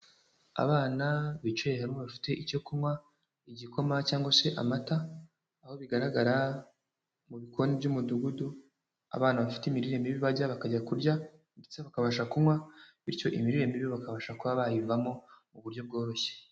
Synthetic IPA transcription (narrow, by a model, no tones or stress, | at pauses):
a̰βaːnaβit͡ʃehaɾmoβafi̥te̞ʔico̞kumwa | iɟiko̞macaːŋɡase̞ʔa̰mataː | ho̞βiɡaɾaɡaɾa | muβikʰo̞nibɟumuduɡudu | a̰βaːnaβafi̥teimiɾiɾemiβiβaɟaβakaɟakuɾɟa | ndet͡seβakaβaʃakumwaβiɾco̞ʔimiɾiɾemiβiβakaβaʃakuβaβajivamo̞muβuɾɟo̞b̚ɡo̞ːɾo̞çe̥